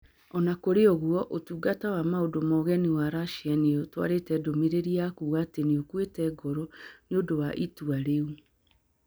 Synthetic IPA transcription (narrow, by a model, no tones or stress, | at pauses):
ɔnakoɾeɔɣwɔʔotuːɡatawamaodomɔɣɛniwaɾaʃianiotwa̰ɾetɛdomiɾeɾiakuːɣaːteneokwetɛɡɔɾɔneodowaʔituaɾeu